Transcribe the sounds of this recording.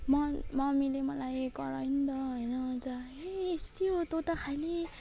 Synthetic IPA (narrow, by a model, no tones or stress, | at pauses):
mʌmʌmilemʌlajkʌɾʌjind̪ʌɦʌjnʌd͡za | eest̪ijot̪ot̪akʰali